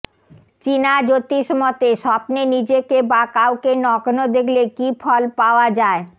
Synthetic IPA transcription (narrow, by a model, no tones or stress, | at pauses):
t͡ɕinad͡ʑot̪iʃmɔt̪eʃɔbnenid͡ʑekebakawkenɔɡnod̪ekʰlekifʰɔlpaoad͡ʑae